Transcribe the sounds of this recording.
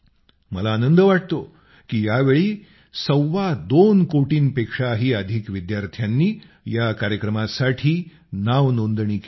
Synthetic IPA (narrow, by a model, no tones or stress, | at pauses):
məlaːnənd̪əʋaʈ̚t̪o | kiːjaʋeɭiː | səwʋad̪onkoʈiːnpekʂaɦiːəd̪ʱikʋid̪jaɾt̪ʰjanːiː | jakaɾjəkɾəmasaʈʰiː | naʋnond̪ɳiːk